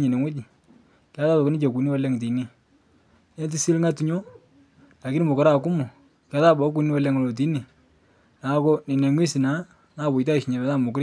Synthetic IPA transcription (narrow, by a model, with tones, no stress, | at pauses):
ɲi˨ne˨ŋwʊ˦d͡ʒi˨ | kja˦ta˦tɔ˨kɪ˦nɪ˦t͡ʃe˨ku˨ni˦wa˦lɛ˦ŋti˨˦ni˦ | nɛ˦t̬i˦si˦lŋa˦tu˨ɲo˦ | a˨ki˦ni˦mo˨kɔ˦ɾa˦˨ku˦mʊ˨ | kja˨˦ta˦bɔ˨˦k̬u˨ni˦wa˦lɛ˦ŋo˨lo˨t̬i˦ni˨ | na˨˦ko˦ni˨ne˨ŋwi˦si˨na˨˦ | na˨bʊ˨ta˦i˨ʃɲa˨mɛ˨ta˦mʊ˨kɾ